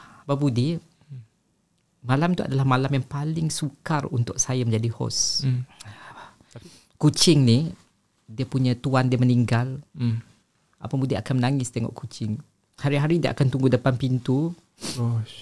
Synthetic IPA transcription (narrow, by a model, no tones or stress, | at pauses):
babudɪ | malamt̪ua̰dalahmalamjaŋpalɪŋsukarunt̪ʊk̚sajaməɲd͡ʒadihɔ̰s | kut͡ʃɪŋnih | diəpuɲãt̪uandiəməniŋɡal | ʔa̰pabudiakanmənaŋɪst̪ɛŋɔ̰ʔkut͡ʃɪŋ | haɾiɦaɾidiəʔa̰kant̪uŋɡudəpanpint̪u